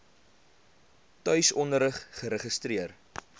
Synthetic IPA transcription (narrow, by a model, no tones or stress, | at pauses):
tœɥsɔndəɾəχχəɾəχəstriər